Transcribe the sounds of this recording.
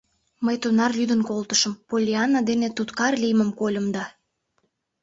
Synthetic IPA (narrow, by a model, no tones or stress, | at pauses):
məjt̪onɑrlʲyd̪ənkolt̪əʃəmpolʲiɑnːɑd̪enet̪ut̪kɑrlijməmkolʲə̆md̪ɑ